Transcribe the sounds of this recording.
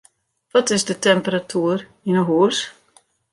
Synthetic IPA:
ʋɔtɪsdətɛmpəratʰuər | inəɦuəs

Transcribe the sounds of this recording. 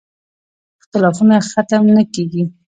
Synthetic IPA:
ɪxt̪ɪlɑfunaxat̪amnakeɡi

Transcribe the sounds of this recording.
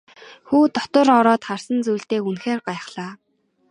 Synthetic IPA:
xuːt̪ɔt̪ə̆rɔɾɔːt̪χarsə̆nt͡sujɬt̪eːunxeːrɢajχɮaː

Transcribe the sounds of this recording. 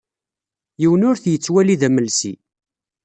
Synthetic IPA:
jiwənʊɾθjət͡sːwæliðæməlsḭ

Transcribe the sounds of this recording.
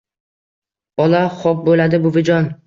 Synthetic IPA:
bɒlaχɒp̚bolad̪ɪbʊvɪd͡ʒɒn

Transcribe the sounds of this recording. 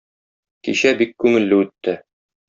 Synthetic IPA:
kiɕæbikːʉŋɘ̆lːɘʉt̪ːɘ

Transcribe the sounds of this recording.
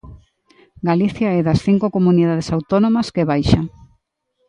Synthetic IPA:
ɡaliθjaɛðɐsθiŋkokomuniðað̞esawt̪onomɐskeβajʃa

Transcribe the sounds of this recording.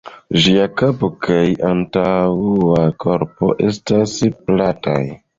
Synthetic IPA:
ʒiakapokʰajantawakʰo̞ɾpo̞ʔe̞̰stasplata̰j

